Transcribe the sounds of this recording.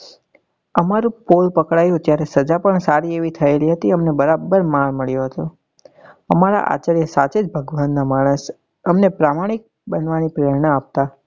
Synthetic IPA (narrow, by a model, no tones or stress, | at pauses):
əmaɾũpolpəkɽajũt̪jaɾesəd͡ʒapəɳsaɾieʋit̪ʰəeliɦət̪iəmnebəɾabːəɾmaɭməɭjoɦət̪o | əmaɾa̰ʔa̰t͡ʃəɾjəsat͡ʃed͡ʒbʱəɡʋanːamaɽ̃əs | əmnepɾamaɽ̃ik̚ | bənʋanipɾeɾɳəap̚t̪a